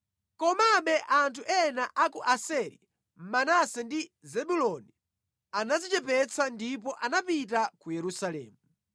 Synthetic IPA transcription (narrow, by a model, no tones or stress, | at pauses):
kɔmaɓɛʔantʰuʔɛnaʔakuʔasɛɾḭ | m̩manasɛndizɛɓulɔni | anazit͡ʃɛpɛt͡sʰandip̬ɔʔanapit̬akujɛɾusalɛ̰ːmu